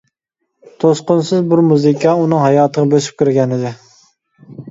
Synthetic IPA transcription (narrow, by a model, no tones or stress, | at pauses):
t̪ʰosqʊnsɪzbuɾmuzɨkʲʰɑunɨŋɦɑjɑːt̪ʰəʁɑbøsy̥p̚kʲʰyɾɡʲɛnɪd̪ɪ